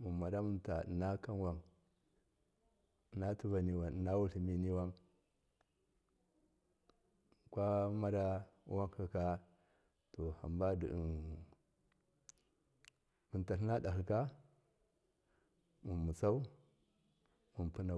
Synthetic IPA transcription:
mu˨ma˨da˦mu˨nta̰˨na˦ka˦nwa˦ŋ˨ | na˦tu˦va˨ni˨wa˨n˨na˦wu˦ɬi˨mi˦ni˦wa˦ŋ | kʷa˦ma˦da˦wa˦ŋka˨ka˦ | to˨ha̰˨mba˦dḭ˨ | mu˨nta˨ɬna˦da˨hi˨lka˦ | mu˨nmu˨t͡sa˦u˦ | mu˨npu˦na˨

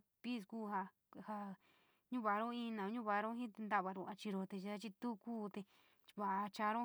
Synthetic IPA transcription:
pi˦˨skuː˦˨ɦa˧ | ha˧ | ɲũ˦βa˨˧ɾõ˦ĩ˦˧nã˨˧ɲũ˦βa˧ɾõ˦ɦĩ˦t̪e˧nd̪a˦˨βa˧ɾo˧˨a˧t͡ʃi˧ɾo˧t̪e˧t͡ʃt̪a˦t͡ʃi˧t̪u˦kuː˦t̪e˧ | βa˨ʔa˧t͡ʃa˧ɾõ˦

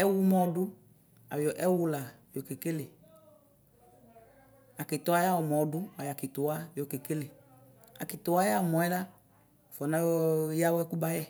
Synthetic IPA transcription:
ɛ˦wu˦mɔ̃˦ɖʊ˦ | a̰˨jɔ˨ʔɛ˦wu˦la˨jo˨ke˨ke˦le˨ | a˨ke˨t̪ɔ˨˦a˦ja˦wɔ˨mɔ̃˨ɖʊ˦a˨ja˨ki˨t̪o˨wa˦jo˨ke˨ke˦le˨ | a̰˨ki˨t̪ʊ˨wa˦ja˦˨mɔ̃˨ɛ˦ɖa˦˨ | fɔ˨nã˦ɔ˦ja˦wɛ˦ku˦ba˦jɛ˦

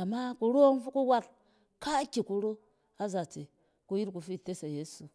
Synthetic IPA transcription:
a˨ma˦ku˧ɾo˦ŋfu˦ku˦wa˦t̚ | ka˦kʲi˨ku˨ɾo˦ | a˦za˨te˨ | ku˦ji˦ɾku˨fi˦˨te˦sa˨je˦su˨

